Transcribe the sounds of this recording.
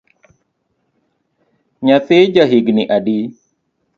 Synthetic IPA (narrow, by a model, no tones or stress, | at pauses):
ɲat̪ɪd͡ʒaɦiɡniʔadi